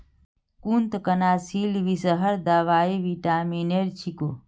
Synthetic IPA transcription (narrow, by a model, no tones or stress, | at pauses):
kunt̪kənaːsiːlʋisəɦəɾd̪aʋaːiʋiʈaːmineɾt͡ʃʰikoː